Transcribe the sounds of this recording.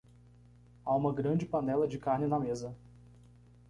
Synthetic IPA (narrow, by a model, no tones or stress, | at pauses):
aũmɐɡɾɐ̃d͡ʒɪpɐnɛlɐd͡ʒɪkaɾnɪnɐmezɐ